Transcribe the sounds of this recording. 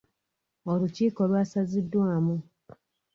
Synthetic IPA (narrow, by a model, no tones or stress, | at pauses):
oluciːko̞lwaːsazidːwaːmu